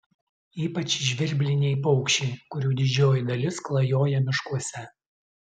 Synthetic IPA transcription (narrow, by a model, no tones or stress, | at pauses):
iːpɐt͡ʃʲʒʲʋʲɪɾʲbʲlʲɪnʲɛɪp̬ɔʊkʃʲɛɪkʊɾʲuːd̪ʲɪd͡ʒʲoːjɪd̪ɐlʲɪsklˠɐjoːjɛmʲɪʃkuɔsʲɛ